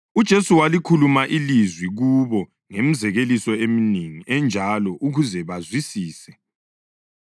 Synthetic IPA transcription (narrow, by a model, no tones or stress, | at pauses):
ud̥ʒ̥ʱesuwalikʰulumaʔilizwiɣuβɔ | ŋem̩zɛɣelisɔemineŋiʔɛnd͡ʒʱalɔʔuɣuzɛβazwisiːsɛ